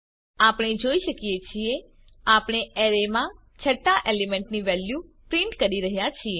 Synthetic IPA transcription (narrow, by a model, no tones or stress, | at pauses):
apɽ̃ed͡ʒoiʃəkijet͡ʃʰie | apɽ̃eeɾemã | t͡ʃʰəʈːaʔelemɛɳʈniʋɛljupɾiɳʈkəɾiɾəɦjat͡ʃʰie